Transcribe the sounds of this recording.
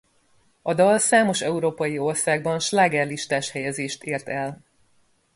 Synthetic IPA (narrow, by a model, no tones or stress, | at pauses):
ɒd̪ɒlsaːmo̞ʃɛuɾoːpɒjio̞rsaːɡ̚bɒnʃlaːɡɛrliʃt̪aːʃhɛjɛzeːʃt̪eːrt̪ɛl